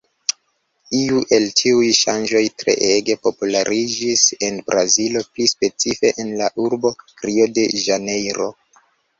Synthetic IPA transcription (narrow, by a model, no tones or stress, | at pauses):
iuʔe̞ltʰiujʃa̰nd͡ʒo̞jtɾe̞̰ʔeɡe̞po̞pulaɾʔid͡ʒise̞nbɾazilo̞plispe̞t͡sife̞ʔenlaʔuɾbo̞ɾio̞de̞ʒane̞jɾo̞